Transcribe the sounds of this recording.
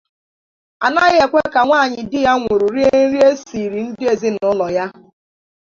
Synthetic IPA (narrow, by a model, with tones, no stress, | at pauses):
a̰˨na˦ɣɪ˦e˨kʷe˦ka˨ŋʷaː˦˨ɲɪ˨dɪ˦ja˦ŋʷe˨ɾu˨ɾi˦e˦n̩˦ɾi˦e˦si˨ɾi˨n̩˦dɪ˦e˨zɪ˦n˨ʊ˦lɔ˨ja˦